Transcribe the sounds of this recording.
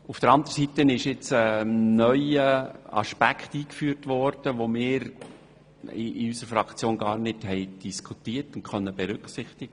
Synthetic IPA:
ufd̥əɾɑnd̪əɾsitənɪʃɪt͡sənœʏəɑ̰ʃpækʰχtiːkfyːɾtʋɔɾd̥əʋomɪːɾ | iysəɾfɾɑkt͡sjoːnɡɑːɾnɪdhɛɪd̥iskʰutiːərtʊntkʰœnːəb̥ɛɾʏksɪχtɪɡ̥ə

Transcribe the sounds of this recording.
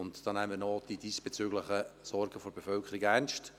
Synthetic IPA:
ʊntd̥ɑːnɛmmənɔd̥idisb̥ɛt͡søːɡləχəsɔɾɡəfɔɾbefœlkʰəɾɪɡærnʃt

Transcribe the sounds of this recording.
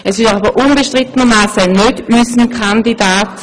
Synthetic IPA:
ɛsɪʃabəʔunbeʃtʁɪt̪ənəmaːsənødysənkʰandidaːt

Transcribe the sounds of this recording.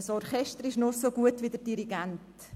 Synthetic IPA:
əsɔɾχɛʃtəɾɪʃnɔsoɡuətʋidəɾdiɾiɡant

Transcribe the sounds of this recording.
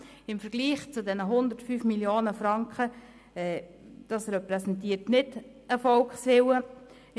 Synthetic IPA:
ɪmfəɾɡ̥liːχt͡sʊdɛnəɦʊndəɾtfyːfmiljoːnəfrɑŋkχə | ɛː | d̥ɑsrɛpɾɛsɛntiːəɾtnɪd | əfɔlkχsʋɪwə

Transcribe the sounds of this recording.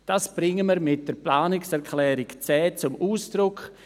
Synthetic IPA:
d̥aːsb̥ɾɪŋəməɾmɪt̚d̥əɾplaːnɪksɛɾkʰlɛːɾɪkt͡sɛːt͡sʊmʔuːsd̥ɾʊk

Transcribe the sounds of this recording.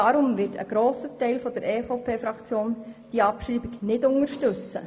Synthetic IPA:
ɑɾʊmʋɪtə̰ɡ̥ɾoːsətɛɪlfɔd̥əɾʔɛːfopʰeːfɾɑkt͡sjoːnd̥iːəɑpʃɾiːbiɡnɪdʊŋəɾʃtɵt͡sə̰

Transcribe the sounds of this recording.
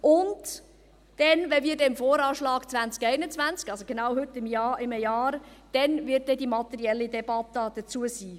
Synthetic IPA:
ʔʊnd | d̥ɛnvɛviːɾdɛmfoːɾɑːʃlɑːɡt͡svænt͡skɛɪnət͡svænt͡skɑlsoɡ̥enawhɵtːɪmjɑːɪmjɑːɾd̥ɛnvɪt̚deːdimɑt̪ɛɾiɛlːidɛbɑt̪ːɑd̥ət͡suəsiː

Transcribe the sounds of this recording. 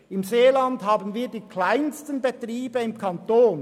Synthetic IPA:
ɪmzeːlɑndɦaːbənviːdiːkʰlaɪnstənbetriːbəɪmkʰɑntoːn

